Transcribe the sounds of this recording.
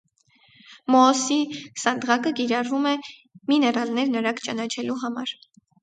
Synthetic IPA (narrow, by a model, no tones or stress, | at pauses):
mɔːsisɑnd̪ʁɑkəkiɾɑrvumɛminɛɾɑlnɛɾnəɾɑkt͡ʃɑnɑt͡ʃʰɛluɦɑmɑ̰ɾ